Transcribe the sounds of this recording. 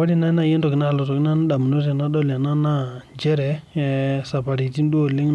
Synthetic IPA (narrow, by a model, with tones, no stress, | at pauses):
a˦di˦˨na˦na˦˨je˦ntɔ˨kna˦a˨lɔ˨tɔ˨kna˦n˦ɗa˨m˨no˦s̬a˨na˦ɗɔ˦la˨na˦na˦d͡ʒɛ˦ɾɛ˨ | sa˨pa˨ɾi˨ti˦n˦du˦o˨lɪ˦ŋ˦